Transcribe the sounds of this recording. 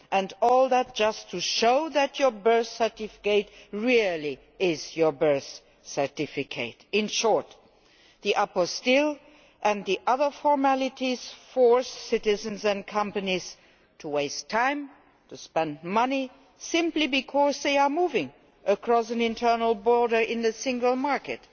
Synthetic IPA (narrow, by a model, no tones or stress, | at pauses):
ʔɨ̃ndɔlˠðæt̚d̥ʒ̥ʌstʰːuʃoʊðɨt͡ʃə˞bɜ˞θsə˞tɪfɪ̥keɪtɹilˠi | ʔɪzjə˞bɜ˞θ | sə˞tɪfɪkʰeɪtɪ̃nʃɔɹt̪ | ðiʔapɔstɪlˠ | ʔɨ̃nðiʔʌðə˞fɔɹmælˠɪtiz̥fɔɹssɪɾɪzɨ̃nzɨ̃nkʰʌ̃mpɨniz̥ | tʰəweɪstʰãɪ̃m | tʰɨspɛ̃ndmʌni | sɪ̃mplibɨkʰɔsðeɪə˞muvɪ̃ŋ | ʔəkʰɹ̥ɔsɨ̃nɪ̃ntʰɜ˞nl̩ˠbɔɹɾə˞ʔɪ̃nðɨsɪ̃ŋɡəl̩ˠmaɹkɨt